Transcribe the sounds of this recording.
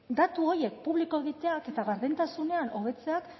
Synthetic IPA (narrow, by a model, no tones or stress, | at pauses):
d̪at̪uo̞je̞k̚puβliko̞e̞ɣit̪e̞ake̞t̪aɣaɾðint̪asune̞ano̞β̞e̞t͡se̞ak